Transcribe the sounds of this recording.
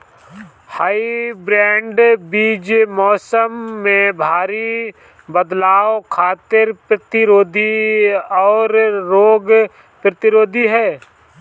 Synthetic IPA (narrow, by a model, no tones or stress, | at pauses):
haːibɾɛ̃ːɳɖbiːd͡ʒmɔːsəmːẽbʱaːɾi | bəd̪laːokʰaːt̪ɪɾpɾət̪ɪɾoːd̪ʱiɔːɾɾoːɡ | pɾət̪ɪɾoːd̪ʱiɦɛː